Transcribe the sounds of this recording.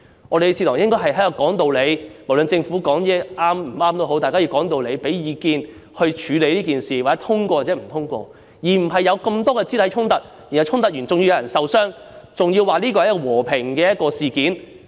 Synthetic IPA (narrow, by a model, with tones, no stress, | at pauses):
ŋɔː˨˧ɾe˨˧t͡sʰiː˧t̪ʊː˨˩ŋjɪ˥ŋkɔː˥ɦɐ˨jɦjlo˨˩wkɔː˨˥ŋt̪o˨˧wle˨˧jmo˨˩wlə˨˧nt͡sɪ˧ŋfuː˨˥kɔː˨˥ŋjɛː˥ʔaː˥mm̩˨˩aː˥mt̪o˥wɦo˨˥wt̪aː˨kaː˥i˧wkɔː˨˥ŋt̪o˧wle˨˧jpe˨˥jjiː˨˧kiː˧n | hɵ˧ɥt͡ʃʰyː˨˧le˨˧jliː˥kiː˨˩nsiː˨waː˨˩t͡sːɛ˦˥t̪ʰʊ˥ŋkwɔː˧waː˨˩t͡sɛː˨˥m̩˨˩t̪ʰʊ˥ŋkʷɔ̰ː˧ | jiː˨˩m̩˨˩ɦɐ˨jːɐ˨˧wkɐ˧mt̪ɔː˥kɛː˧t͡siː˥t̪ʰɐ˨˥jt͡ʃʰʊ˥ŋt̪ɐ˨˥t̚ji˨˩nhwt͡ʃʰʊ˥ŋt̪ɐ˨˥t̚jyː˨˩nt͡sʊ˨ŋji˧wjɐ˨˧wjɐ˨˩nsɐ˨wsœː˥ŋ | t͡sʊ˨ŋjiː˧waː˨˩liː˥kɔː˧hɐ˥kːwɔː˨˩pʰɪ˨˩ŋkɛː˧jɐ˥t̚kɔː˧siː˨kiː˨˥n